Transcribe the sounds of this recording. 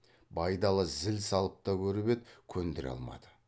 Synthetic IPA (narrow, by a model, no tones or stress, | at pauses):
bɑjd̪ɑlˠəzɪlsɑlˠəp̚t̪ɑkʲʰɵɾɪbet̪kʲʰɵnd̪ɪɾɑ̰lˠmɑ̰d̪ə